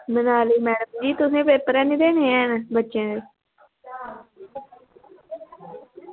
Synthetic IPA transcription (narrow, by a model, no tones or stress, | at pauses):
mənaːliːmɛːnəmd͡ʒiːt̪ʊsẽːpeːpːəɾɛ̃ːnid̪eːnẽːɛːnbətːʃãːd̪eː